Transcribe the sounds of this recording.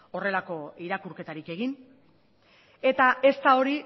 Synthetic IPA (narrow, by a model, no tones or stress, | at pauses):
o̞re̞lako̞iɾakuɾke̞t̪aɾike̞ɣin | e̞t̪ae̞st̪ao̞ɾi